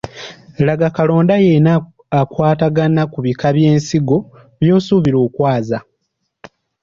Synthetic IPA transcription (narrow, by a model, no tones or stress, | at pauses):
laɡakalo̞ːndajena | akwaːtaɡanakuβikaβjeːnsiɡo̞ | βjo̞ːsuːβiɾo̞ːkwaːza